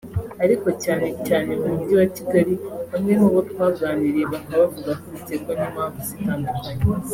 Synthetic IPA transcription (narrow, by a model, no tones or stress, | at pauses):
aɾiko̞caːne̞caːne̞mːmdiwatiɡaɾiβamŋemuβotkwaɡɡaːniɾeβaŋɡaβavuɡakoitekonamaːvusitamazi